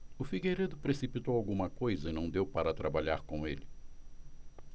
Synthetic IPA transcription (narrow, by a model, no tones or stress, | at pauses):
ʊfiɡejɾed̪ʊpɾesipit̪owawɡũmɐkojzɐɪnɐ̃w̃d̪ewpaɾɐt̪ɾabaʎa̰ɾkõw̃elɪ